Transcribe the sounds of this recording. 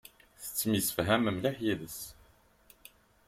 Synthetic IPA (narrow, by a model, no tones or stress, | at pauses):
θə̥t͡sːmisə̥fɦæməmliħjiðəs